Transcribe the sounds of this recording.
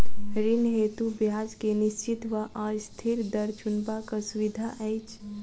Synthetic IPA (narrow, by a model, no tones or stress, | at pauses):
ɾinɦeːt̪ubjaːd͡ʒkenɪst͡ʃit̪ʋaʔast̪ʰiɾd̪əɾt͡ʃʊnbakasʊʋid̪ʱaʔəjt͡ʃ